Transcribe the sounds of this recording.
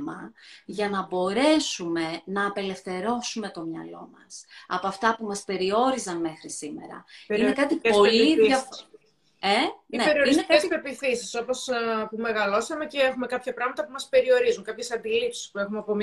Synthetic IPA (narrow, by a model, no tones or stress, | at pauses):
mɐʝɐnɐbo̞ɾe̞sume̞nɐːpe̞le̞fθe̞ɾo̞sume̞t̪o̞mɲɐ̰lo̞mɐ̰sɐ̰poɐft̪ɐpumɐspe̞ɾio̞ɾizɐnme̞xɾisime̞̰ɾɐ̰inekɐt̪ipo̞liɐ | eneeɾioɾinekspepiθisiso̞pospume̞ɣɐlo̞sɐme̞ceexume̞kɐpçɐpɾɐɣmɐt̪ɐpumɐspe̞ɾio̞ɾizuŋkɐpçesɐnd̪ilipsi̥spue̞xumeɐpom